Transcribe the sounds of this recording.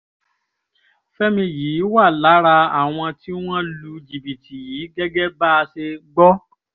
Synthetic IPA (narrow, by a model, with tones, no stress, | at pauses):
fɛ˦mĩ˧jiː˨˦wa˦˨la˨˦ɾa˧a˨w̃ɔ̃˧ti˦w̃ɔ̃˦lu˧d͡ʒi˨bi˨ti˨jiː˨˦ɡɛ˦ɡɛ˦ba˦˧se˧ɡ͡bɔ˦